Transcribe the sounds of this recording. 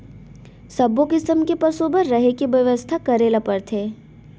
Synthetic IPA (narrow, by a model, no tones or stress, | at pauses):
sɐbokɪsəmkepəsoːbəɾːɐɦekiʋɐʋəst̪ʰakɐɾeːlapɐɾt̪ʰeː